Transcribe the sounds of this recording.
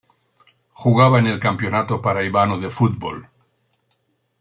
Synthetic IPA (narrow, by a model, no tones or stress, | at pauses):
xuɣaβaene̞lkampjonat̪opaɾaiβanoðefut̪̚bo̰l